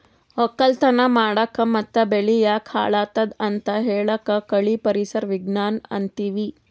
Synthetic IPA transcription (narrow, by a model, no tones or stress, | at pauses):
okɐlt̪ɐnɐmaːɽɐkɐmɐt̪ːɐbeɭijakʰa̰ːɭaːt̪ɐd̪ɐnt̪ɐɦeːɭɐkɐkɐɭipɐɾisɐɾʋiɡnaːnɐ̰nt̪iːʋi